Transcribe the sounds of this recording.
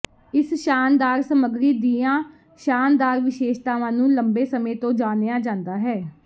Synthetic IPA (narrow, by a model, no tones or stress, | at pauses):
ɪsʃaːnd̪aːɾsəməɡɾiːd̪iːãː | ʃaːnd̪aːɾʋɪʃeːʃt̪aːʋãːnũːləmbeːsəmẽːt̪õːd͡ʒaːneːãːd͡ʒãːnd̪aːɦɛː